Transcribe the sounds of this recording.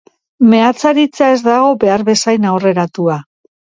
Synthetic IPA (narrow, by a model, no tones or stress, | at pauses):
me̞at͡saɾit͡sae̞zd̪aɣo̞be̞aɾβe̞sajnawre̞ɾat̪ua